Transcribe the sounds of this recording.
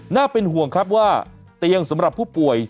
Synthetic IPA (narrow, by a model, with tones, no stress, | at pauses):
naː˥˩pe˧nɦu˨˩əŋkʰa˦˥p̚waː˥˩ | t̪i˧əŋsa˩˦mɾa˨˩pʰːuː˥˩pu˨˩əj